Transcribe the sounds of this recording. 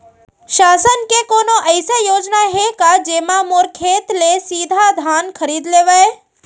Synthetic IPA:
ʃaːsənkekoːnoʔəɪsejoːd͡ʒnaɦekad͡ʒeːmamoɾkʰeːt̪lesiːd̪ʱad̪ʱaːnkʰəɾiːd̪leːʋae

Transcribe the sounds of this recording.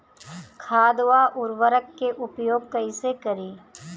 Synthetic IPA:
kʰaːd̪waːʔʊɾʋəɾəkːeʔʊpjoːɡ̚kɐɪsekɐɾiː

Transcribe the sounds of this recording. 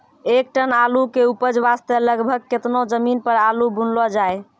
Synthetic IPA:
ek̚ʈənalukeupəd͡ʒʋast̪eləɡbʱəɡ̚ket̪nod͡ʒəminpəɾalubunlɔd͡ʒae

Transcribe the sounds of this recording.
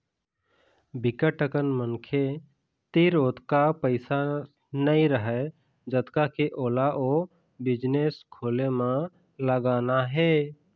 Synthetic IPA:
bɪkəʈəkənmənkʰe | t̪eɾoːt̪kapəɪsa | nəĩɾəɦə | d͡ʒət̪kakeʔoːlaʔoː | bɪd͡ʒneːskʰoːlemã | ləɡaːnaɦɛː

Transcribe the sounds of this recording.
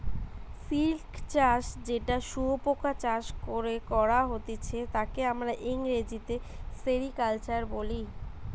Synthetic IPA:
silkt͡ɕaʃd͡ʑeʈaʃuɦopokʰat͡ɕaʃkoɾekɔɾaɦot̪et͡ɕʰet̪akeamɾaʔiŋɾed͡ʑit̪eseɾikalt͡ɕaɾboli

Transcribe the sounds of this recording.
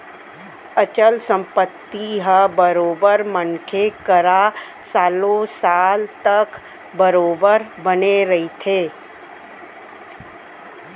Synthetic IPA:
ət͡ʃəlsə̃mpət̪ːiɦəbəɾoːbəɾmənkʰekəɾa | saːlõsaːlt̪ɐk | bəɾoːbəɾbəneɾɐɦit̪ʰeː

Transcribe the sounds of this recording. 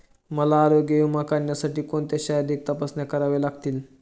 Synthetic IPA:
məlaːɾoɡjəjumakaɳːjasaʈiːkoɳt̪eɕajad̪eːk̚t̪əpəsnjakəɾaʋelaɡt̪iːl

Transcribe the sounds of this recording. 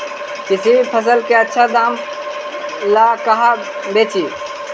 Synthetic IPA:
kɪsipʰəs̬əlkeːətːʃʰaːd̪aːm | laːkəɦaː | beːt͡ʃiː

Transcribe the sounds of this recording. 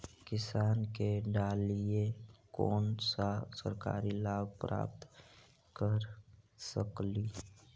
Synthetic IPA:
kɪsaːnkeɖaːliekɔ̰ːnsasə̰ɾka̰ːɾilaːbpɾa̰ːp̚t̪ | kəɾsəkliː

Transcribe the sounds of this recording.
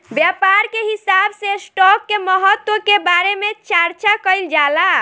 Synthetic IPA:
bjapaɾkeɦisabsesʈɔkːeməɦət̪ːwokebaɾemet͡ʃaɾt͡ʃakəjld͡ʒala

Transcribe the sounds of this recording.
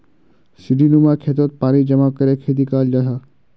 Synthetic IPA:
siɖinumakʰeːt̪ot̪̚paːɾid͡ʒɐmaːkɐɾekʰeːt̪̬ikaːld͡ʒaɦaː

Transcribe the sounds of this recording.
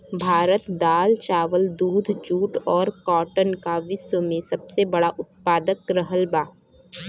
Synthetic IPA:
bʱaːɾət̪d̪aːlt͡ʃaːʋəld̪uːd̪ʱd͡ʒuːʈɔːɾkɔːʈənkaʋɪswəmẽsɐbsebɐɽaʔʊt̪̚paːd̪əkɾəɦəlbaː

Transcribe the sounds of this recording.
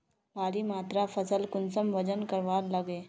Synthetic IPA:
baːɾimaːt̪ɾapʰɐsəlkʊnsəmʋɐd͡ʒənkəɾʋaːɾlɐɡeː

